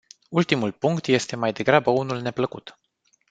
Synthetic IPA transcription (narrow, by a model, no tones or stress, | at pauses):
ult̪imulpuŋkt̪je̞st̪e̞majd̪e̞ɡɾabəunulne̞pləkṵt̪